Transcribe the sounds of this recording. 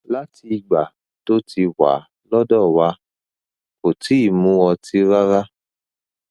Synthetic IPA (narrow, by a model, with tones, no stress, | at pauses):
la˦ti˧ɡ͡ba̰˨ | to˦ti˧wa̰˨˦ | lɔ˦dɔ˦˨wa˧˦ | ko˨ti˨˦i˦˨mũ˨˦wɔ˧ti˦ɾa˦ɾa˦